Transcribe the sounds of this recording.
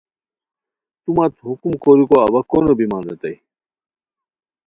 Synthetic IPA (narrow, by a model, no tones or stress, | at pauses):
t̪umɐt̪ɦukumkoːɾikoɐβɐkonobimãːnd̪ɐt̪ɐi